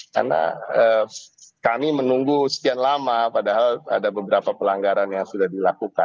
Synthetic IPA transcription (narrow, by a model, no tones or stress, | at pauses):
ka̰rna̰ə | kamimənuŋɡusə̥t̪ianlamapadaɦala̰dabəbəɾapapəlaŋɡaɾanjaŋsudahdilakuka̰n